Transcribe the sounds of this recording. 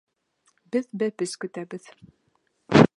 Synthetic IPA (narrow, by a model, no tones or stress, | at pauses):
bɘðbæpɘskɵ̆t̪æbɘð